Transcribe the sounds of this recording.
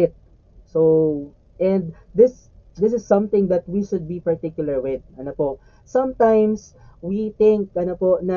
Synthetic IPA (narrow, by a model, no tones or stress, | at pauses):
ɪt̪̚ | so | ʔɛ̃nd̪d̪ɪs | d̪ɪs̬ɪsːɐ̃mt̪ɪ̃ŋd̪ɐt̪̚wiʃʊd̪̚bipɐɹt̪ɪkjʊlɐɹwɪd̪̚ɐnopoʔ | sɐ̃mt̪ãjms | wit̪ɪ̃ŋk̚ɐnoponɐ